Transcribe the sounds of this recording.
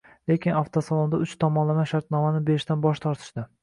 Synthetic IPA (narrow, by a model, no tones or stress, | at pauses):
lekʲɪnaft̪ʰosɒlˠond̪aʊt͡ʃt̪ʰɒmɒnlamaʃaɾt̪nɒmanɪbeɾɪʃt̪anbɒʃt̪ʰɒɾt̪ʰɪ̥ʃd̪̥ɪ